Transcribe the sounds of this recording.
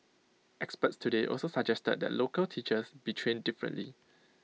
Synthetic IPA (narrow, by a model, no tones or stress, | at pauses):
ʔɛkspətstʰudeʔɔ̰lsosəd͡ʒɛstə̰d̚dɛ̰tlokəltʰit͡ʃəsbitʰɹẽndifɹə̰̃nli